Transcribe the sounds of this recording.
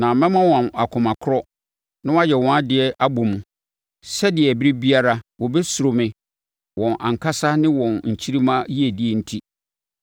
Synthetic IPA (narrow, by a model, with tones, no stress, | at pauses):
nã˨mɛ̃˦mã˦wã˨ma˨kʰʊ̃˨mã˨kʰʊ˦ɾɔ˦ | nɪ̃˦wa˦jɛ˨wɔ̃˨˦a˦dɪ˨ɛ˦ʔa˦bo˨mũ˨ | sɛ˦dɪ˨ɛ˨bi˦ɾi˦bi˦a˦ɾa˦wɔ˨bɛ˦su˨ɾo˨mɪ̃˨ | wʔɔ̃˨nʔã̰˨ŋ̩˨kʰa˦sa˦nɪ̃˦wɔ̃˨nɲ̩˨t͡ɕʰi˦ɾi˦mã˦ji˦e˨di˦ɛ˨n̩˦tʰi˦